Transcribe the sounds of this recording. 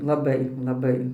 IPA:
lˠɐˈbɐɪ lˠɐˈbɐɪ

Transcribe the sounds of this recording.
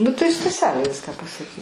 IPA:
nʊ tɐɪ stɐˈsʲæːlʲeː ˈʋʲɪskɑː pɐsɐˈkʲɪ

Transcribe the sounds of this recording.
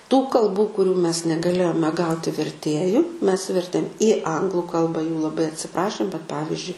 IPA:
tuː kɐlˠˈbuː kʊˈrʲuː mʲɛs nʲɛɡɐˈlʲeːjoːmʲɛ ˈɡɐʊtʲɪ ʋʲɛrʲˈtʲeːjʊ mʲɛs ˈʋʲɛrʲtʲeːm iː ˈɐŋɡlˠʊ ˈkɐlˠbɐ juː lˠɐˈbɐɪ ɐtʲsʲɪˈprɑːʃʲeːm bʲɛt ˈpɑːʋʲɪzʲd͡ʒʲʊɪ

